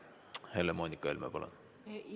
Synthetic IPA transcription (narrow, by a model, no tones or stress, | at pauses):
he̞lemoːnʲikːˑɑelmɑ̰pɑlo̰n